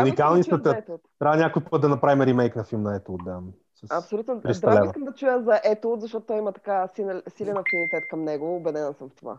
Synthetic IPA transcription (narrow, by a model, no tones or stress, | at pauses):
unikalˠnisɛt̪əɛt̪t̪t̪ːɾʲabənʲakojot̪ːət̪d̪ɐnɐpɾavimɛɾimɛjknɐfilˠmnɐɛt̪ud̪d̪a | sɐsɐpsolʲut̪nopɾist̪ɾɐlɛvikəmd̪ɐt͡ʃujəzɐʔɛt̪ot̪zɐʃt̪ɔt̪ʊt̪ɔjimɐt̪ɐ̥kasinlsilʲɛnɐfilˠmt̪ɛt̪kɐmnɛɡoːbɛd̪ɛnəsəmft̪ova̰